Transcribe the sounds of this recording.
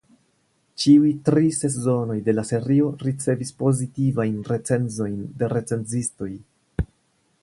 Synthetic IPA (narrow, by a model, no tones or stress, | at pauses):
t͡ʃiujtɾise̞s̬zo̞no̞jde̞lase̞ɾio̞ɾit͡se̞vispo̞zitivajnɾe̞t͡se̞nzo̞jndeɾe̞t͡se̞nd͡zisto̞j